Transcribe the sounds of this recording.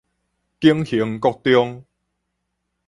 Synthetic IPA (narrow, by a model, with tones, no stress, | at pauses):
ki˦əŋhi˨˦əŋkɔ˥˧k̚t̪jɔ˥˧ŋ